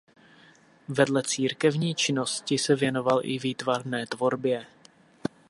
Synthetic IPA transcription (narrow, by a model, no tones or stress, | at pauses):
vɛdlɛt͡siːɾkɛvɲiːt͡ʃɪno̞scɪsɛvjɛno̞valʔɪviːt̪varnɛːt̪vo̞ɾbjɛ